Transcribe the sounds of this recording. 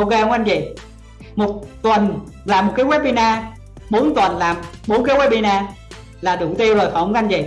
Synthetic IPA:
ʔo˧wke˧ho˧˦˥ʔa˧jɲvi˨˩ | mo˨˩t̚t̪wə˨˩n | laː˨˩mːo˨˩t̚ka˨˦wɛ˦˥ɓi˧naː˧ | ɓo˨˦nt̪wə˨˩nlaː˨˩mɓo˨˦nk̬aː˨˦jwɛ˦˥ɓi˧naː˧ | laː˨˩ɗɨ˨˧˩wt̪i˧əwzo˨˩jfa˨˧˩ka˧nɲzi˨˩

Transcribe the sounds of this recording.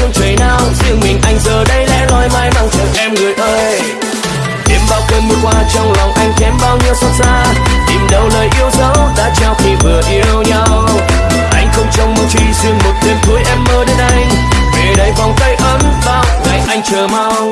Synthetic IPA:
ɨ˧ŋt͡ɕə˨˩jnaː˧wzɨ˧əŋmï˨˩ŋ̟ʔa˧jŋ̟zəː˨˩ɗə˧jlɛ̰˧˥lɔ˨˧˦jmaː˧jma˧wŋ͡mt͡ɕə˨˧˩nʔɛ˧mŋɨ˨˩əjʔəː˧j | ɗe˧˩mɓaː˧˩wkə˧nmɨ˧˩əkwaː˧t͡ɕɔ˧wŋ͡mlɔ˨˩wŋ͡mʔa˧jŋ̟kɛ˨˦mɓaː˧wɲi˧əwsɔ˧˥t̚zaː˧t̪i˨˩mɗə˨˧˩wləː˨˩jʔi˧əwzə˨˦wɗa̰ː˧˥t͡ɕaː˧˩wt̪ʰi˨˩vɨ˨˩əʔi˧əwɲa˧w | ʔa˧jŋ̟xə˧wŋ͡mt͡ɕɔ˧wŋ͡mmo˨˩t̚t͡ɕi˧zɨ˧əŋmo˨˩t̚ɗ̪i˧əmt̪ʰu˨˦əjʔɛ˧mməː˨˦ɗe˨˦nʔa˧jŋ̟ | ve˨˩ɗə˨˦jvɔ˨˩wŋ͡mt̪ə˧jʔə˨˦nɓaː˧˩wŋa˨˩jŋʔa˧jŋ̟t͡ɕəː˨˩ma˧ww

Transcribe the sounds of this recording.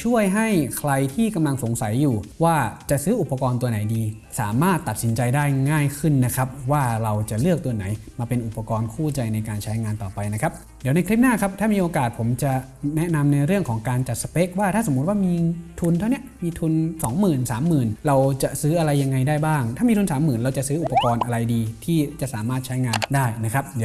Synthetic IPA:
t͡ɕʰu˥˩əjɦa˥˩jkʰɾa˧jt̪ʰiː˥˩ka˧mla˧ŋso˨˩˦ŋsa˨˩˦jːuː˨˩waː˥˩t͡ɕa˨˩ʔsɯː˦˥ʔu˨˩pːa˧kɔː˧nt̪u˧na˩˦jdiː˧ | sa̰ː˩˦maː˥˩t̪ːa˨˩t̪̚si˩˦nt͡ɕa˧jdaː˥˩jŋaː˥˩jkʰɯ˥˩nːa˦˥kʰɾa˦˥p̚waː˥˩ɾa˧wt͡ɕa˨˩lɯ˥˩ək̚t̪u˧ɐna˩˦jmaː˧pe˧nʔu˨˩pːa˧kɔː˧nkʰuː˥˩t͡ɕa˧jna˧jkaː˧nt͡ɕʰa˦˥jŋaː˧nt̪ɔː˨˩pa˧jna˦˥kʰa˦˥p̚ | diː˨˩˦na˧jkʰɾi˦˥p̚naː˥˩kʰp̚t̪ʰaː˥˩miː˧ʔoː˧kaː˨˩t̪̚pʰo˩˦mt͡ɕa˨˩nɛ˦˥na˧mna˧jɾɯ˥˩əŋkʰɔː˩˦ŋkaː˧nt͡ɕa˨˩t̪̚sa˧pe˦˥k̚waː˥˩t̪ʰaː˥˩so˩˦mu˦˥t̪̚waː˥˩miː˧t̪ʰu˧nt̪ʰa˥˩wni˦˥əʔmiː˧t̪ʰu˧nsɔː˩˦ŋmɯː˨˩nsaː˩˦mːɯː˨˩nɾa˧wt͡ɕa˨˩ʔsɯː˦˥ʔa˧ɾa˧jːa˧ŋːa˧jdaː˥˩jbaː˥˩ŋt̪ʰaː˥˩miː˧t̪ʰu˧nsaː˩˦mːɯː˨˩nɾa˧wt͡ɕa˨˩sɯː˦˥ʔu˨˩pːa˧kɔː˧nʔa˧ɾa˧jdiː˧t̪ʰiː˥˩t͡ɕa˨˩ʔsaː˩˦maː˥˩t̪̚t͡ɕʰa˦˥jŋaː˧ndaː˥˩jna˦˥kʰɾa˦˥p̚di˨˦

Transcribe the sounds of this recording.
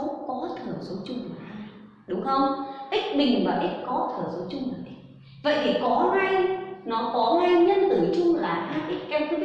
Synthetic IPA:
o˨˦kɔ˨˦t̪ʰɨ˨˩əso˨˦t͡ɕʊ˧ŋ͡mlaː˨˩ʔa˧˩ | ɗʊ˨˦ŋ͡mxə˧wŋ͡mʔi˦˥k̟̚ɓï˨˩ŋ̟vaː˨˩ʔi˦˥k̚kɔ˨˦t̪ʰɨ˨˩əzo˨˦t͡ɕʊ˧ŋ͡mlaː˨˩ʔə˨˦ | və̰˧˨jt̪ʰi˨˩kɔ˨˦haː˧jnɔ˨˦kɔ˨˦haː˧jɲə˧nt̪ɨ˧˩t͡ɕʊ˧ŋ͡mlaː˨˩haː˧˩ʔi˦˥k̚kaː˧nkʰɨ˧˦

